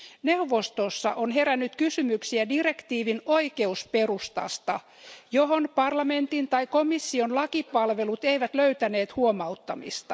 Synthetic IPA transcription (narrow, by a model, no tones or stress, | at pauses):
neuʋost̪osːɑ̰ʔonɦeɾænːyt̪kysymyksiædire̞kt̪iːʋinoike̞uspe̞rust̪ɑ̰st̪ɑ | joɦonpɑrlɑment̪int̪ɑikomisːionlɑkipɑlʋe̞lut̪eiʋæt̪løyt̪æneːt̪huomɑut̪ːɑmḭst̪ɑ